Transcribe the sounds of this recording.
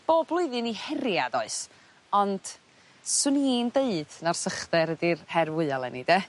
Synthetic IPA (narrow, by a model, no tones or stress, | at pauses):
b̥oːblˠʊɨðɨnihɛɾjadɔɨs | ɔnd̥ | sɨnindeɨd̥nar̥səχdɛɾədirhɛrwɪalˠɛ̰nid̥ɛ